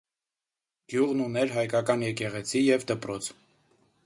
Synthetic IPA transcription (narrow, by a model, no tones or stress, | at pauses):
ɡ̥juʁnunɛɾɦɑjkɑkɑnjɛkɛʁɛt͡sʰijɛvd̪əpɾɔt͡sʰ